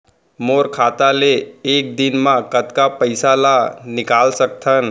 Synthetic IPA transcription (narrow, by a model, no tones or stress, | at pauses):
moɾkʰat̪aleːk̚d̪inmãkət̪kapəjsalanɪkalsək̚t̪ʰən